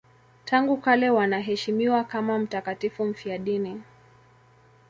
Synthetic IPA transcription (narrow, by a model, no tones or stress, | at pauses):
tʰaŋɡukalɛwanaɦɛʃimiwakamam̩takatifum̩fiaɗini